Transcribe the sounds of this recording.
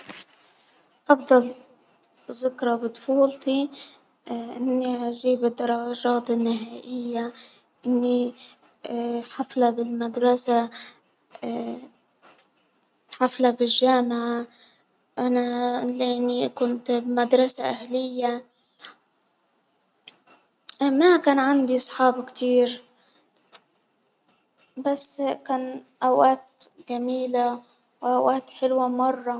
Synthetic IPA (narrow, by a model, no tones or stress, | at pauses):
ʔɑfd̪ˤɑl | zʊkɾˤɑbɪd̪ˤfuːlt̪i | ʔɪnːiʔaʒiːbɪd̪ːɑɾˤːɑʒɑːt̪ɪnːɪɦaːʔɪjːa | ʔɪnːi | ħaflabɪlmad̪ɾˤɑsa | ħaflabɪʒaːmɪʕa | ʔanaleːnikʊnt̪bmad̪ɾˤɑsaʔahlɪjːa | makaːnʕand̪iʔɑsˤħɑːbkt̪iːɾ | basːkaːnʔawʔaːt̪ɡamiːla | wʔawʔaːt̪ħɪlwamɑrˤːɑ